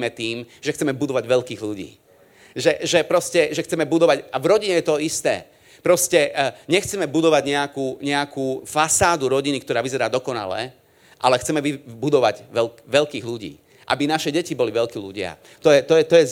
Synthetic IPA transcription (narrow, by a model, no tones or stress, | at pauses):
mɛt̪iːmʒ̥ɛxt͡sɛmɛbud̪ɔʋaɟʋɛlkiːɣluɟḭː | ʒɛʒɛpɾɔscɛʒɛxt͡sɛmɛbud̪ɔʋaɟavɾɔɟiɲɛjɛt̪ɔist̪ɛ̰ː | pɾɔscɛɲɛxt͡sɛmɛbud̪ɔʋaɟɲɛakuːɲɛakuːfasaːd̪uɾɔɟinikt̪ɔɾaːʋizɛɾaːd̪ɔkɔna̰lɛ̰ | ʔalɛxt͡sɛmɛʋibud̪ɔʋaɟʋɛʋɛʎkiːɣluɟḭː | ʔa̰binaʃɛɟɛcibɔliʋɛʎkiːluɟɪa̰ | t̪ɔjɛt̪ɔjɛt̪ɔjɛz